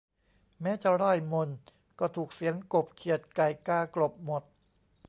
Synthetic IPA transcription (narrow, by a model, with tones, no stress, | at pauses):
mɛː˦˥t͡ɕa˨˩ɾa˥˩jmo˧n | kɔː˥˩t̪ʰuː˨˩k̚si˨˦ənko˨˩p̚kʰi˨˩ət̪̚ka˨˩jkaː˧˩klo˨˩p̚mo˨˩t̪̚